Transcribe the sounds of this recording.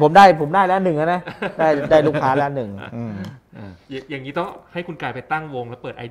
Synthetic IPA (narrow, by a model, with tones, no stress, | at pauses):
pʰo˩˦mdaː˥˩jpʰo˩˦mdaː˥˩jlɛː˦˥nɯ˨˩ŋʔa˧˥na˦˥daː˥˩jdaː˥˩jluː˦˥˩kʰaː˦˥lɛ˦˥˧nɯ˨˩ŋʔɯː˧˩mː˩˨˩ | jaː˨˩ŋːiː˦˥t̪ɔ˥˩ha˥˩jkʰu˧nkaː˧˩jpa˧jt̪a˥˩ŋwo˧ŋlɛː˦˥pɤː˨˩t̪ʔa̰˧d